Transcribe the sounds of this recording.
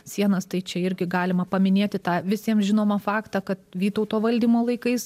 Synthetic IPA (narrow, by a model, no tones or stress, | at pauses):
sʲiɛnɐst̪ɐɪt͡ʃʲɛɪɾʲɡʲɪɡɑːlʲɪmɐpɐmʲɪnʲeːt̪ʲɪt̪ɑːʋʲɪsʲiɛmʒʲɪnoːmɐfɑːkt̪ɑːkɐt̪ʋʲiːt̪ɐʊt̪oːʋɐlʲd̪ʲiːmoːlˠɐɪkɐɪs